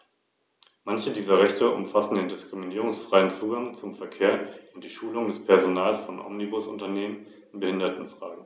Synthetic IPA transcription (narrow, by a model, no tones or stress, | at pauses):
mançədiːzɐʁɛçtəʔʊ̰mfasn̩deːndɪskʁ̥iminiːʁ̞ʊŋsfʁ̥aɪənt͡suːɡaŋt͡sʊmfɛɐkʰeːɐʊnt̚d̥iːʃuːlʊŋdɛspʰɛɐzonaːlsfɔnʔɔ̰mnibʊsʊntɐneːmən | ɪnbəhɪndɐtn̩fʁ̥aːɡŋ̩